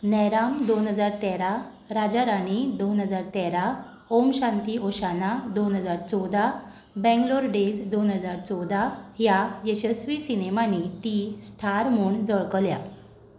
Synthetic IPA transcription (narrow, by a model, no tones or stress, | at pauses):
nɛɾamd̪onɦəd͡zaɾt̪ɛɾa | ɾad͡ʑaɾaɽ̃id̪onɦəd͡zaɾt̪ɛɾa | omɕãnt̪iːoɕanad̪onɦəd͡zaɾt͡sɔwd̪a | bɛ̃ŋɡloɾɖed͡zd̪onɦəd͡zaɾt͡sɔwd̪aɦjajəɕəsʋisinemanit̪isʈʰaɾmuːɳd͡zəɭkəlja